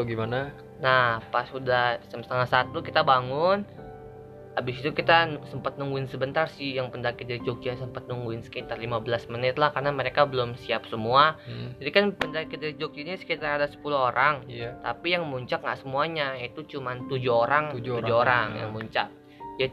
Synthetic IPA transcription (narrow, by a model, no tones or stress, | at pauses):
ɡimana | nahpasudassət̪aŋat̪sat̪ukit̪abaŋʊn | abɪsit̪ukit̪ansəmpat̪̚nuŋɡuɪnsəbənt̪arsɪhjaŋpəndakɪt̪̚daɾid͡ʒokansəmpat̪̚nuŋɡuɪnsə̥kit̪arlimabəlasmənɪt̪lahkarnaməɾekabəlʊmsiap̚səmuad͡ʒadikanpəndakɪt̪̚daɾid͡ʒok̚iasə̥kit̪aradasə̥puluɦoɾʔaŋt̪a̰pijaŋmuɲt͡ʃak̚ŋɡa̰ʔsəmuaɲait̪ut͡ʃumant̪ud͡ʒuoɾaŋd͡ʒud͡ʒuoɾaŋja̰ŋmuɲt͡ʃa̰k̚ | ja